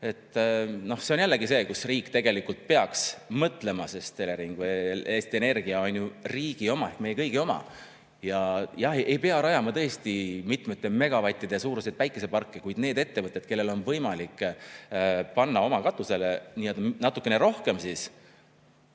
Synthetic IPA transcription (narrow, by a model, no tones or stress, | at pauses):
e̞t̪ːno̞hse̞o̞njælːeɡise̞ːkusriːkːˑt̪e̞ɡ̥e̞likːult̪̚pe̞ɑksmɤt̪ˑle̞mɑsest̪e̞leɾiŋɡ̥vɯjeːst̪ie̞ne̞rɡ̥iɑonʲːjuriːɡ̥io̞mɑekme̞jekɤjɡ̥io̞mɑ̰ | jɑjɑhejpe̞ɑɾɑjɑmɑt̪ɤ̞est̪imit̪met̪ːˑe̞me̞ɡ̥ɑvɑt̪ʲːˑid̪̥esuːɾused̪væjkːˑe̞se̞pɑrkːikujd̪ne̞ːd̪̥e̞t̪ːe̞vɤt̪ːˑed̪̥ke̞lːe̞lo̞nvɤjmɑlikːˑ | pɑnːɑo̞mɑkɑt̪ˑːuse̞leniːeld̪ɑnɑt̪ːˑukːˑe̞ne̞ɾo̞hke̞msis